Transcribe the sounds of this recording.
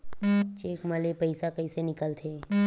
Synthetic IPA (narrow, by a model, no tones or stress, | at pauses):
t͡ʃeːkməlepəɪsakəɪsenɪkəlt̪ʰeː